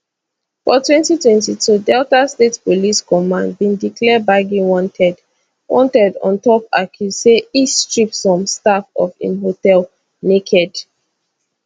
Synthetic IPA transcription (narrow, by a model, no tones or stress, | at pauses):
fɔtwɛ̃ntitwɛ̃ntitʰudɛltastetpoliskɔmãnd̚bĩndikʰlɛbaɡiwɔ̃ntʰɛd | wɔ̰̃ntɛdɔ̰̃ntɔpakʰuseistɹipsɔ̃mstafɔ̰fḭ̃nɦotɛl | nekʰɛd